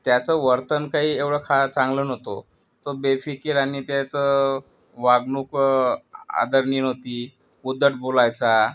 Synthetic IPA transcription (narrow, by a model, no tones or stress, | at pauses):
t̪jat͡səʋəɾt̪ənkaɦiːeʋɽəkʰat͡sãŋɡlənɦot̪o | t̪obefikeɾaɽ̃it̪jat͡sə | ʋaɡnuːk | a̰d̪əɾniːnot̪iː | ud̪ʱːəʈ̚bolajt͡sa